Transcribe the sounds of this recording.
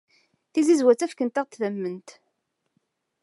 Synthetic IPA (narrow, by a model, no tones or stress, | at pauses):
θizizwæt͡sːæfkənt̪æʁt̪ðæmːənt̪